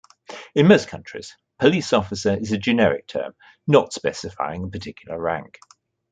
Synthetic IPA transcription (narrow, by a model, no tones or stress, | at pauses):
ɪ̃nməʊskʰʌ̃nt͡ʃɹ̥ɪ̰z̥ | pʰəliˑsɒfɪsəɹɪzəd͡ʒɪnɛɹɪ̰k̚tʰɜ̰ːm | nətspɛsɪfa̰ɪɪ̃ŋəpʰətʰɪkʰjl̩ˠəɹã̰ŋk